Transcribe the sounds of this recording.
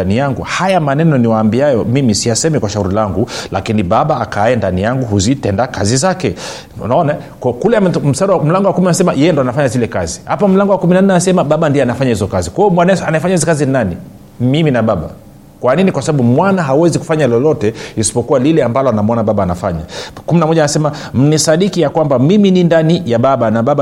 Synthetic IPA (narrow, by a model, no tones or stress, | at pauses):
anijaŋɡṵhajamanɛnɔniwaːmbiajɔmimisijasɛmikwaʃahuɾilaŋɡula̰kiniɓaɓaːkajɛndanijaŋɡuɦuzitɛndakazizakɛ̰ | naɔna | kkulɛm̩saɾawam̩laŋɡɔwakuminaɛsɛmajʔɛjɛndɔanafaɲazilɛkazihapam̩laŋɡɔwakuminanːɛanasɛmaɓaɓandiɛanafaɲahizɔkazikwajɔmwanɛanaifaɲahizɛkazinani | miminaɓaɓa̰ | kwaninikwasaɓaɓumwanaɦauwɛziku̥faɲalɔlɔtɛisi̥pɔkualilɛambalɔanamɔnaɓaɓaːnafa̰ɲa̰kuminamɔʄaːnasɛma | m̩nisaɗikijakwambamiminindanijaɓaɓanaɓaɓa